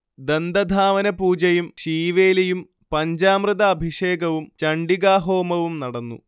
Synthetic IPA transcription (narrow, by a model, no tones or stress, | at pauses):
d̪end̪ɐd̪ʱaːʋɐnɐpuːd͡ʑɐjumɕiːʋe̞ːlɐjum | pɐɲd͡ʑaːmrɨðɐːbʱiʂeːɡɐʋumt͡ɕɐɳɖiɡaːɦo̞ːmɐʋumnɐɽɐnːṵ